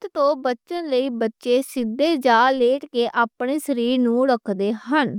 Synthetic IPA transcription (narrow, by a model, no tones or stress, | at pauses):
t̪t̪õːbətːʃənləiːbətːʃeːsɪd̪ːeːd͡ʒaːleːʈkeːʔaːpɳeːsəɾiːɾnũːɽəkʰd̪eːɦən